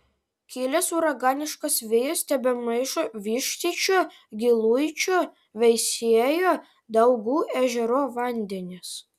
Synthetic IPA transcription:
kʲiːlʲɛsuɾɐɡɑːnʲɪʃkɐsʋʲɪjosʲt̪ʲɛbʲɛmɐɪʃoʋʲiːʃʲt̪ʲit͡ʃʲoː | ɡʲɪlˠʊɪt͡ʃʲoː | ʋʲɛɪsʲiɛjoː | d̪ɐʊɡuːʔæːʒʲɛɾoːʋɐnʲd̪ʲɛnʲɪs

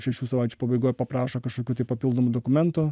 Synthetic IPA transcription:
ʃʲɛʃʲuːsɐʋaˑɪt͡ʃʲu̥pɐbɐɪɡoːjpɐpɾɑːʃɐkɐʃkoːkʲuːt̪ɐɪpɐpʲilˠd̪oːmʊd̪oːkʊmʲɛnt̪ʊ

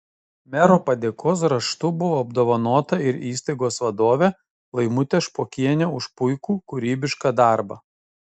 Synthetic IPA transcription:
mʲɛɾoːpɐd̪ʲeːkʰoːs̬ɾɐʃt̪ʊbʊʋoːɐbd̪oːʋɐnoːt̪ɐɪɾiːst̪ɐɪɡoːsʋɐd̪oːʋʲeː | lˠɐɪmʊt̪ʲeʃpoːkʲiɛnʲɛʊʃpʊɪkuːkʊɾʲiːbʲɪʃkɑd̪ɑˑɾbɐ̰

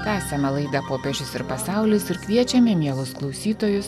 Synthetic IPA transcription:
k̪æːsʲɛmʲɐlˠɐɪd̪ɐpoːpʲɛʒʲʊsɪɾpɐsɑˑʊlʲɪsɪɾkʋʲiɛt͡ʃʲɛmʲeːmʲiɛlˠʊsklˠɒʊsʲiːt̪oːjʊs

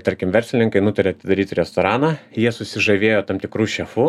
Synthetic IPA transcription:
t̪ɐɾʲkʲɪmʋʲɛɾʲsʲlʲɪnʲɪŋkɐɪnʊt̪ɐɾʲeːɐt̪ʲɪd̪ɐɾʲiːt̪ɾʲɛst̪oːɾɑːnɑːjiɛsʊsʲɪʒɐʋʲeːjoːt̪ɐmt̪ʲɪkɾuːʃʲɛfu

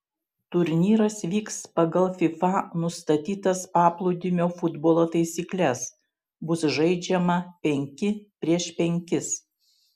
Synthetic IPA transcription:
t̪ʊɾʲnʲiːɾɐsʋʲiːkspɐɡɐlˠfʲɪfɑnʊst̪ɐt̪ʲiːt̪ɐspɑːplˠʊd̪ʲɪmʲoːfʊd̪boːlˠoːt̪ɐɪsʲiːklʲɛs | bʊsʒɐɪd͡ʒʲɛmɐpʲɛŋʲkʲɪpʲɾʲiɛʃpʲɛŋʲkʲɪs

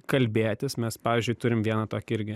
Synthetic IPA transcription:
kɐlʲbʲeːt̪ʲɪsmʲɛspɑːʋʲiːzʲd͡ʒʲʊɪt̪ʊɾʲɪmʋʲiɛnɐt̪oːkʲɪɾʲɡʲɪ

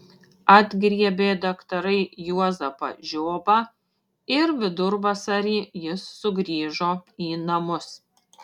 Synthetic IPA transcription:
ɐd̪ʲɡɾʲiɛbʲeːd̪ɐkt̪ɐɾɐɪjuɔzɐpɐ̰ʒʲoːbɐ | ɪɾʋʲɪd̪ʊɾʋɐsɐɾʲiːjɪsːʊɡɾʲiːʒoːiːnɐmʊs

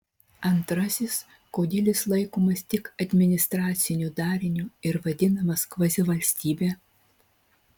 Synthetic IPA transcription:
ɐnt̪ɾɐsʲɪs | koːd̪ʲɪlʲɪslˠɐɪkoːmɐst̪ʲɪkɐd̪ʲmʲɪnʲɪst̪ɾɑːt̪sʲɪnʲuːd̪ɑːɾʲɪnʲuːɪɾʋɐd̪ʲɪnɐmɐskʋɐzʲɪʋɐlʲsʲt̪ʲiːbʲeː

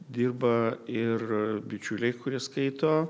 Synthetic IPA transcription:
d̪ʲiːrbɐɪrbʲɪt͡ʃʲʊlʲɛɪkʊɾʲiɛskɐɪt̪oː

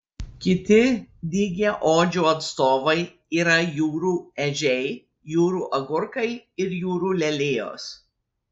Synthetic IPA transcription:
kʲɪt̪ʲɪd̪ʲiːɡʲeʔoːd͡ʒʲuːɐt̪st̪oːʋɐɪ | iːɾɐjuːɾuːɛʒʲɛɪ | juːɾuːʔɐɡʊɾkɐɪɪɾjuːɾuːlʲɛlʲeːjo̰ːs

